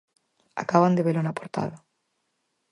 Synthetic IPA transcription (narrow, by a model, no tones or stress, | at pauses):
a̰kaβand̪eβelonapoɾt̪a̰ða